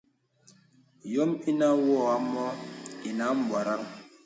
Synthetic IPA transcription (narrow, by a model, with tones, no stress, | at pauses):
jɔ˦mi˦na˦wɔ˦˨a˨˦mɔ˦i˨na˦m̩˦ba˨ɾa˦k